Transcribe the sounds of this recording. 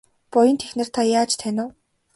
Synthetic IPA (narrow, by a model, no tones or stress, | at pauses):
pʊjə̆nt̪ʰexnɘ̆r̥t̪ʰajaːt͡ɕt̪ʰænʲʊː